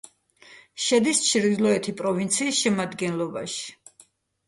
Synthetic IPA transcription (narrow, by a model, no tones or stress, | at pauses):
ʃɛd̪ist͡ʃʰɾd̪ilˠɔɛt̪ʰipʼɾɔvint̪sʰiːsʃɛmad̪ɡɛnlˠɔba̰ʃi̥